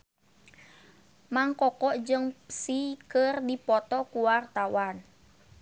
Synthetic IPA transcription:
maŋkɔkɔʔd͡ʒəŋsikərdipɔt̪ɔkuwart̪awan

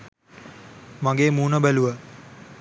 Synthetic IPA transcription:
mãŋɡeːmuːnəbæluʋə

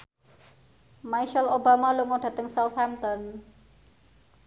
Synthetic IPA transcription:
majʃalobamaluŋɔɖ̥ä̤t̪əŋsawt̪hamt̪ɔn

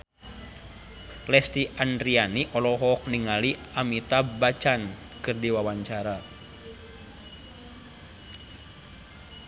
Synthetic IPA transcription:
lɛst̪iʔandɾianiʔɔlɔɦɔk̚niŋaliamit̪abat͡ʃan | kɨrdiwawaɲt͡ʃaɾa

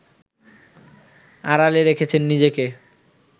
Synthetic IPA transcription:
aɾaleɾekʰet͡ɕʰenːid͡ʑeke

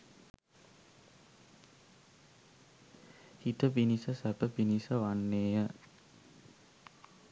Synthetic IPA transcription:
hit̪əpinisəsæpəpinisəʋanːeːjə

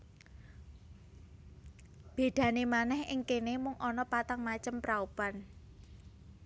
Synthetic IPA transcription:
b̥e̤d̪̥ä̤nemanɛhɪŋkenemʊŋʔɔnɔpat̪aŋmat͡ʃəmpɾaupan

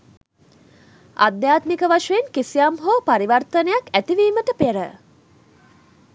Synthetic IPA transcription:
ʔa̰d̪jaːt̪mikəʋaʂejenkesijamɦopaɾiʋɐrt̪ənejakæt̪iʋiːməʈəpeɾə

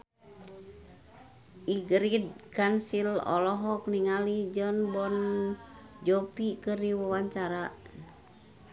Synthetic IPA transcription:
ʔiɡɾid̚kansilɔ̰lɔɦɔk̚niŋalid͡ʒənbɔn | d͡ʒɔpikəɾiwawaɲt͡ʃaɾa

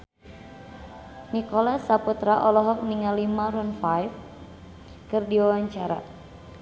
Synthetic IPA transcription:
nikɔlasaput̪ɾaʔɔlɔɦɔk̚niŋalimaɾunfajf | kɨrdiwawaɲt͡ʃaɾa̰

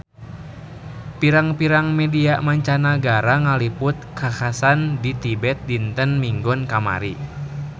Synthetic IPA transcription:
piɾaŋpiɾaŋmɛdiamaɲt͡ʃanaɡaɾaŋalipʊt̪̚kʰakasandit̪ibɛt̪̚dint̪ənmiŋɡɔnkama̰ɾi

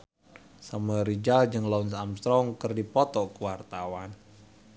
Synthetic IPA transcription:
saməɾid͡ʒald͡ʒɨŋlɔunsamst̪ɾɔŋkɨrdipɔt̪ɔkəwart̪awan

